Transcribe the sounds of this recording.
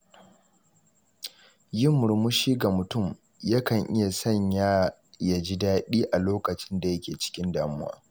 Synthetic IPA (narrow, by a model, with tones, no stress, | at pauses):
jɪ˦mʊ˨ɾmʊ˦ʃiː˦ɡa˨mʊ˨tʊ˦˨m | ja˦kɐ˨ŋʔɪ˦ja˨sɐ˦˨ɲjaː˦ja˨d͡ʒi˦daː˦ɗiː˦ʔa˨loː˦kɐ˨t͡ʃɪ˦nda˨jɐ˦kʲeː˨t͡ʃɪ̥˦kʲɪ˦ndaː˨mʊ˦wa̰ː˦